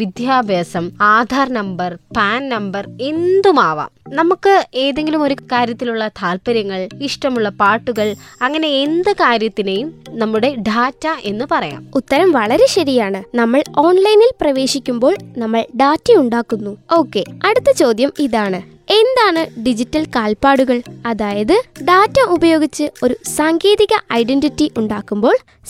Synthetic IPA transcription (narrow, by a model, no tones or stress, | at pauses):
ʋid̪jaːbʱjeːsɐmaːd̪ʱaːrnɐmbɐrpaːnnɐmbɐre̞nd̪umaːʋɐ̰ːmnɐmukːɨe̞ːðe̞ŋɡilumo̞ɾukaːɾjɐt̪ːiluɭːɐt̪ʰaːlpɐɾjɐŋːɐɭiʂʈɐmuɭːɐpaːʈːuɣɐɭɐŋːɐne̞ːnd̪ɨkaːɾjɐt̪ːinejumnɐmːuɽe̞ɖʱaːtːɐʔe̞nːɨpɐrɐja̰ːmut̪ːɐɾɐmʋɐɭɐɾe̞ɕɐɾijaːɳɨnɐmːɐɭo̞ːnlɐjnilprɐʋe̞ːʂikʲːumbo̞ːɭnɐmːɐɭɖaːtːɐjuɳɖaːkːunːuo̞ːkːe̞ɐɽut̪ːɐt͡ɕo̞ːd̪jɐmiðaːɳɨ | e̞nd̪aːɳɨɖid͡ʑitːɐlkaːlpaːɽuɣɐɭɐðaːjɐðɨɖaːtːɐubɐjo̞ːɡit͡ɕːɨo̞ɾusaːŋɡeːðiɣɐʔɐjɖe̞nditːiʔuɳɖaːkːumbo̞ːɭ